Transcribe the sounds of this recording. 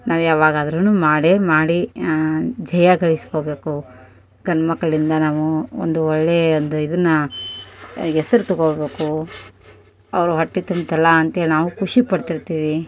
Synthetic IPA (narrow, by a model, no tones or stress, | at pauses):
nʔaːʋujaːʋaːɡɐɐd̪ɐɾɐnːuːmaːɽemaːɽi | d͡ʒɐjɐɡɐɭisko̞ːbe̞ːku | ɡʱɐnɐmɐkːɐɭind̪ɐnaːʋuo̰nd̪uɔɭːeond̪uid̪ɐnːɐ | ɛsɐɾut̪ɔɡoɭbe̞ːku | ɐʋɐɾuɦɐʈːit̪umbt̪ɛlːɐːnt̪ɐɦeːlinaːʋukuʂipɐɽt̪iɾt̪iːʋi